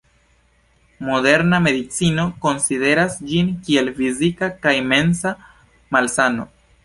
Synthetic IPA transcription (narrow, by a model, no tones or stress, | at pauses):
mo̞de̞ɾname̞dit͡sino̞ko̞nside̞ɾasd͡ʒinkie̞lfizikakajime̞nsa | malsano̞̰